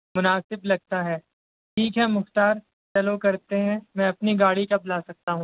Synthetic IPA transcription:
mʊnaːsɪblɐɡ̚t̪aɦɛː | ʈʰiːkɦɛmʊxt̪aːɾ | t͡ʃɐlokɐɾt̪eɦɛ̃mɛ̃ɐpniɡaːɽikɐplaːsɐk̚t̪aɦũː

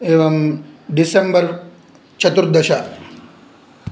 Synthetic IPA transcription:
eːʋɐmɖisembɐɾ | t͡ʃʰɐt̪uɾd̪ɐʃa

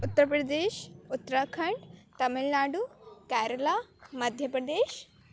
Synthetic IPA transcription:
ut̪ːəɾpɾɐd̪eːʃut̪ːɾakʰɐɳɖt̪ɐmilnaːɖukæːɾɐlamɐd̪ʱjəpɾɐd̪eːʃ

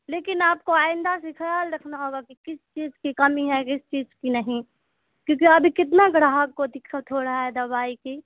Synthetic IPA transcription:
leːkɪnaːp̚koaːɪ̃nd̪asekʰɐjaːlɾɐkʰnaɦoːɡakikɪst͡ʃiːzkikɐmiɦɛkɪst͡ʃiːzkinɐɦĩ | kjõːkiɐbʱikɪt̪̬naɡɽaɦakkod̪ɪkʰːat̪ʰoːɽaɦɛd̪ɐbaːiki

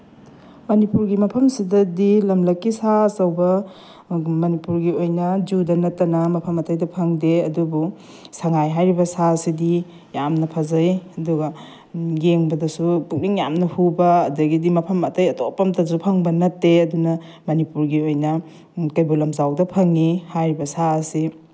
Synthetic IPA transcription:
mɐnipuɾɡimɐpʰɐmsidɐdilɐmlɐkːisasɐwbɐ | mɐnipuɾɡiojnɐd͡ʒudɐnɐtːɐnɐmɐpʰɐmɐtɐjdɐpʰɐŋdeɐdubu | sɐŋajɦajɾibɐsasidi | jamnɐpʰɐzɐjɐduɡɐ | ɡeŋbɐdɐsupuk̚niŋja̰mnɐhubɐːdɐɡidimɐpʰɐmɐtɐjɐtopɐmtʰɐsupʰɐŋbɐnɐtːeɐdunɐ | mɐnipuɾɡiojnɐ | kɐjbulɐmzawdɐpʰɐŋihajɾibɐsaɐsi

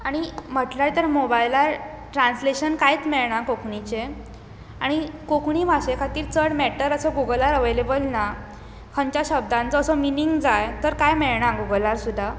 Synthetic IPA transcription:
aɽ̃im̤əʈlaɽt̪əɾmobajlaɾ | ʈɾansleɕənkait͡smeɭɳakokɳit͡ɕe | aɽ̃ikokɳimʱaɕekʰat̪iːɾt͡səɽmɛʈəɾəsɔɡuɡlaɾəʋelebəlna | kʰəɲt͡ɕjaɕəb̚d̪ʱãnt͡sɔːsɔminiŋɡd͡zajt̪əɾkajmeɭɳaɡuɡəlaɾsud̪ʱa

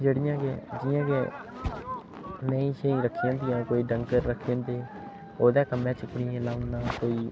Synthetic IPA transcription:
d͡ʒeːɽɪjãːked͡ʒɪjãːke | mɛ̃ːĩːʃeːĩːɾəkʰːijãːt̪ijãːkoːiːɖəŋkəɾːəkʰːiãːt̪eː | oːd̪ɛːkəmɛ̃ːt͡ʃɪkɽiːãːlaːʊnd̪ãːkoːiː

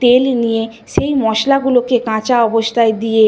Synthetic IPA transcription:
t̪elnije | ʃejmɔʃlaɡulokekãt͡ɕaɔbost̪ʰaed̪ije

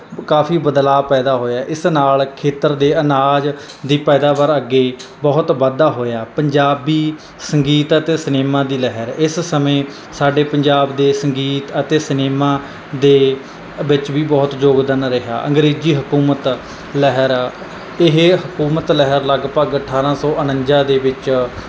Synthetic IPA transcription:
kaːpʰiːbəd̪laːpɛːd̪aːɦoːjaːʔɪsnaːlkʰeːt̪əɾd̪eːənaːd͡ʒ | d̪iːpɛːd̪aːʋəɾəɡːeːbɔːʊt̪ʋəd̪aːɦoːjaːpəɲd͡ʒaːbiː | səŋɡiːt̪ət̪eːsəneːmãːd̪iːlɛɦəɾɪssəmẽː | saːɖeːpəɲd͡ʒaːbd̪eːsəŋɡiːt̪ət̪eːsəneːmãː | d̪eː | ʋɪt͡ʃʋiːbɔːt̪d͡ʒoːɡd̪ənɾɪɦja̰ːʔəŋɡɾiːd͡ʒiːɦəkuːmət̪ | lɛɦəɾ | ɪɦɦəkuːmət̪ləɦəɾləɡpəɡəʈʰaːɾãːsɔːʔənəɲd͡ʒaːd̪eːʋɪt͡ʃ

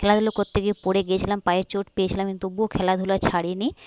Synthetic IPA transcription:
kʰɛlad̪ʱulokot̪ːeɡipoɽeɡijet͡ɕʰilampajeɾt͡ʃoʈpejet͡ɕʰilamkint̪ubokʰɛlad̪ʱulat͡ɕʰaɽini

